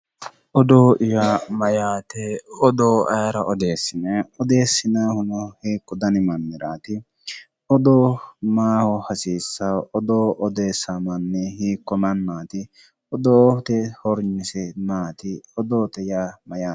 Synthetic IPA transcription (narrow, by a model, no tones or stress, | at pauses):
ʔɔd̪oːʔɪjaːmɐjaːt̪ɛɔd̪oːɐjɐɾɐʔɔd̪e̞ːsːɪnɛɔd̪e̞ːsːɪnaːhʊnɔhiːkːɔd̪ɐnɪmɐnːɪɾaːt̪ɪ | ɔd̪oːmaːhɔhɐsiːsːaɔd̪oːʔɔd̪e̞ːsamɐnːɛhiːkːɔmɐnːaːt̪ɪ | ɔd̪oːt̪ɛhɔɾɲɪsɛnaːt̪ɪɔd̪oːt̪ɛjaːmɐjaː